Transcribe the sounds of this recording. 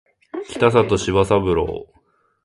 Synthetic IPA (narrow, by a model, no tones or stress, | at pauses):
kʲi̥t̪as̬at̪oɕiβasabɯ̟ɾo̰ː